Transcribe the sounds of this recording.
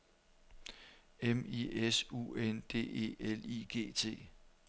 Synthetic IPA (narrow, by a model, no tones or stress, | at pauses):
emiesṵːend̥e̝̰ːe̝̰ːeliːɡ̥e̝̰ːt͡sʰe̝̰ː